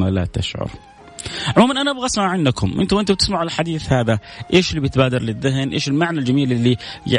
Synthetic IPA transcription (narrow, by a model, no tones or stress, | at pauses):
ala̰t̪ɪʃʕʊ̰ɾ | ʕʊmuːmʔanʔanaʔabɣsmaʕʕɪnd̪akʊmʔɪ̰nt̪ʊwʔɪnt̪ʊbt̪ɪsmaʕɪllħad̪iːθhaːðaʔeːʃɪlːibjɪt̪baːd̪ɑɾˤlɪðːɪɦnʔḛːʃɪlmaʕnald͡ʒamiːlʔɪlːija̰